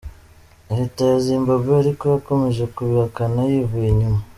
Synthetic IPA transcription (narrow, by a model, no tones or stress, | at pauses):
ehitajazimbabeːɾikojako̞me̞ʒekuβiakanajiβuiɲuma